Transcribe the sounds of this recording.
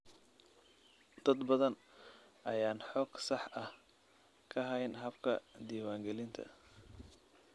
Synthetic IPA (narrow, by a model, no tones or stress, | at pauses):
d̪̥ɐd̪bɐðɐnʔɐjaːnħɔːɡ̥sɑħʔɐh | kʰɐɦɐjnɦɐbkʰɐ̰d̪iːwaːŋɡɛlɪnt̪ʰɐ̰